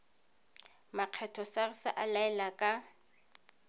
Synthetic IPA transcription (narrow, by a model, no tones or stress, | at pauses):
maq͡χʰɛtʰɔsarɪsa̰ʔalaɛlakʼa